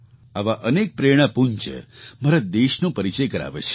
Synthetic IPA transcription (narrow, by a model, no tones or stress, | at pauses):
aʋaʔənek̚pɾeɽ̃ãpuɲt͡ʃḛmaɾad̪eʃnõpəɾit͡ʃəjkəɾa̰ʋḛt͡ʃʰe̥